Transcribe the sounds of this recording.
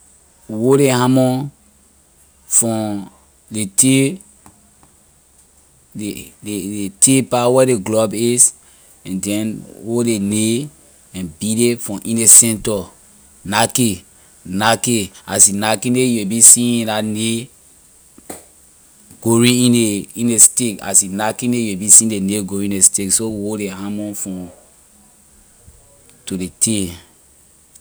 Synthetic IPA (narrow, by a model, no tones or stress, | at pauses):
woɾehãmɔ̃ | fɔ̃ | lete | eeetepawɛdeɡlɔbis | ɛ̃ndɛ̃nwodene | ɛ̃nbidefɔ̃ʔĩndesɛ̃ntɔ | nake | nakeasinakĩnejuwebisĩĩdane | ɡ̥oɹĩĩneĩnesteka̰sinakĩnejuwebisĩĩdeneɡoɾĩĩndesteksowoleãmɔ̃nfɔ̃ | tudetʰe